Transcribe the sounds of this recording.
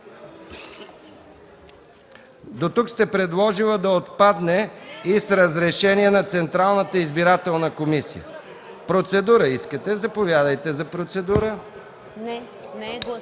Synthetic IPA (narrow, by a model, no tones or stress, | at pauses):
d̪ot̪ukst̪ɛpɾɛd̪lˠɔʒilˠəd̪ɐot̪pad̪nɛisɾəzɾɛʃɛniɛnɐt̪sɛnt̪ɾalˠnət̪əizbiɾat̪ɛlˠnəkomisḭə̰ | pɾot̪sɛd̪uɾəiskət̪ɛzɐpovʲjad̪əjt̪ɛzɐpɾot̪sɛd̪uɾə